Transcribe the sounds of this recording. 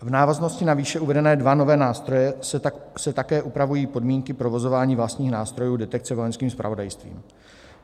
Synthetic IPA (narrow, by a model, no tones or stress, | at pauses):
vnaːvazno̞scɪnaviːʃɛuvɛdɛnɛːdvano̞vɛːnaːst̪ɾo̞jɛ | sɛt̪akɛːʔupɾavujiːpo̞dmiːŋkɪpɾo̞vo̞zo̞vaːɲiːvlast̪ɲiːxnaːst̪ɾo̞juːdɛt̪ɛk̚t͡sɛvo̞jɛnskiːmspɾa̰vo̞dajst̪vḭːm